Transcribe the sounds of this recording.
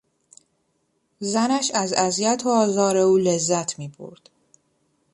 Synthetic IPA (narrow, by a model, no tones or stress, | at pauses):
zænæʃæzæzijæt̪ʰoɒːzɒːɾeuːle̞zːæt̪ʰmiːbo̰ɾd̪̥